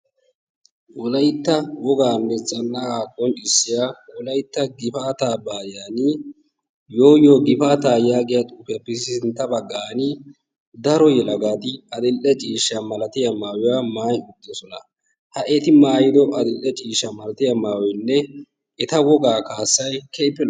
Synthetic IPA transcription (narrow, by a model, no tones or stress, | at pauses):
wɔlɐjt̪ːɐwɔɡaːnːɛt͡sʼːɐnːaaːkʼːɔnɪsːɪjaːwɔlɐjt̪ːɐɡɪfaːt̪aːbaːjaːnɪ | joːjoːɡɪfaːt̪aːjaːɡɪjɐt̪ʼuːfɪjɐpːɪssɪnt̪ːɐbɐɡːaːnɪ | d̪ɐɾɔjɛlɐɡaːt̪ɪɐd̪ɪlʔɛt͡ʃʼiːʃːɐmɐlɐt̪ɪjɐmaːwɪjaːmaːjʊd̪ːɔsɔnɐ̰ | hɐʔɛt̪ɪmaːjɪd̪ɔʔɐd̪ɪlʔːɛt͡ʃʼiːʃɐmɐlɐt̪ɪjɐmaːwɔjnːɛ | ɛt̪ɐwɔɡaːkaːsːɐjkʰɛpːɛl